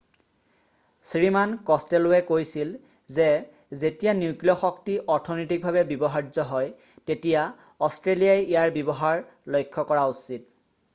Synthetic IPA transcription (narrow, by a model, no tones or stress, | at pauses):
sɹimankɔstɛlʊwɛkojsil | zɛ | zetijanukliɔxɔktiʔɔɹtʰɔnɔtik̚bʱaβɛbɔbɔɦaɹzɔɦɔj | tetija | ɔstɹelijajijaɹbɔbɔɦaɹ | lojkʰːɔkɔɹausit̚